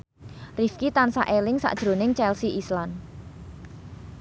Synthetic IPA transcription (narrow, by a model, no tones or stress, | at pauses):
rifkit̪ansa̰ʔelɪŋsa̰ʔd̥ʒ̥ɾo̤nɪŋt͡ʃɛlsiʔislan